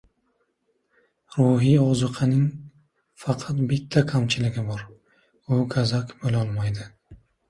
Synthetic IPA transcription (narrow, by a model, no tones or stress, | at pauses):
ɾuɦɪɒzɨqʰɨnɪŋ | fɑqʰɑt̪bɪt̪ʰːakʰamt͡ʃʰɪlɪɡʲɪbɒɾ | ʊɡʰazakʲbolɒlˠmajd̪ɪ